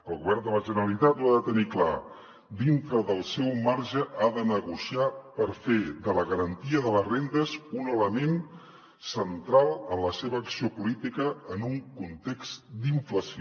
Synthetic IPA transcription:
əlˠɣuβɛɾnd̪ələʒənəɾəlit̪at̪uaðət̪ənikla̰ | d̪int̪ɾəðəlˠsɛwmaɾʒəʔaðənəɣusiapəɾfeðələɣəɾənt̪iəðələzrend̪əzunələmen | sənt̪ɾalˠənləseβəːksiopulit̪ikəːnuŋkunt̪eksd̪iɱfləsio

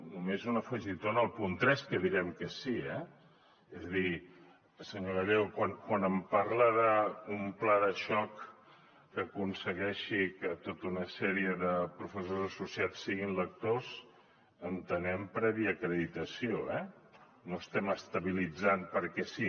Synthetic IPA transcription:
numezunəfəʒit̪onəlˠpunt̪ɾɛskəðiɾɛmkəsiɛ | ezəði | səɲoɣəʎewkwankwanəmpaɾləðəumplaðəʃɔkː | əkunsəɣɛʃikət̪ot̪unəsɛɾiəðəpɾufəsozəsusiat͡ssːiɣinlək̚t̪oz | ənt̪ənɛmpɾɛβiəkɾəðit̪əsioɛ | nost̪ɛməst̪əβilid͡zanpəɾkɛsi

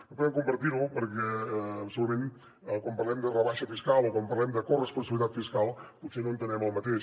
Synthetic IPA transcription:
əpuðɛmkumbəɾt̪iɾupəɾkɛːpsuut̪əmẽn | kwampəɾlɛmd̪ərəβaʃəfiskalˠokwampərlɛmd̪əkorəspunsəβlit̪at̪fiskalˠput̪senõnt̪ənɛməlˠmət̪eʃ

